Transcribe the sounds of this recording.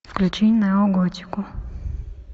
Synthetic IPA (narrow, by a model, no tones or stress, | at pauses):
fklʲut͡ʃinʲnɐjɔɡɔtʲi̥kʊ